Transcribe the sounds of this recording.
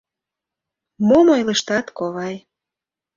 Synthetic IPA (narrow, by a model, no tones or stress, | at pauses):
momojlə̆ʃt̪ɑt̪koβɑj